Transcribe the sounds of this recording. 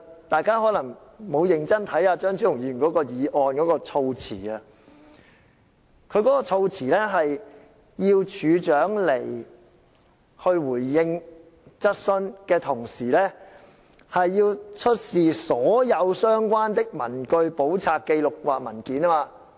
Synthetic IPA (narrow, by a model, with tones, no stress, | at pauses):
t̪aː˨jkaː˥ɦɔː˨˥lɐ˨˩ŋmo˨˧wjɪ˨˩ŋt͡sɐ˥nt̪ʰɐ˨˥jaː˧t͡ʃœː˥ŋt͡ʃʰy˨˥jʊ˨˩ŋjiː˧˥y˨˩nkɔː˨˥kɔː˧jiː˨˧ʔɔː˨nkɔː˨˥kɔː˧t͡sʰo˧wt͡sʰḭː˨˩ɐ˧ | kʰɵ˨˧ɥkɔː˨˥kɔː˧t͡sʰo˧wt͡sʰiː˨˩lɛ˥ɦɐ˨j | jiː˧wt͡ʃʰyː˨˧t͡ʃœː˨˥ŋlḛ˨˩j | hɵ˧ɥwuː˨˩jːɪ˧ŋ | t͡sɐ˥t̚sɵ˥nkɛː˧t̪ʰʊ˨˩ŋsiː˨˩lɛː˥ | hɐ˨jːiː˧wt͡ʃʰɵ˥t̚siː˨sɔː˨˥jɐ˨˧wsœː˥ŋkʷwaː˥nt̪ɪ˥k̚mɐ˨˩nkɵ˧ɥpo˨˥wt͡sʰaː˨kːe˧jlʊ˨k̚waː˨k̚mɐ˨˩nkiː˨˥naː˥maː˧